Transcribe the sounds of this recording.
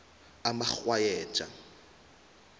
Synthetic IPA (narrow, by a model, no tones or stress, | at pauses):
amaχwajɛːt͡ʃʼa̰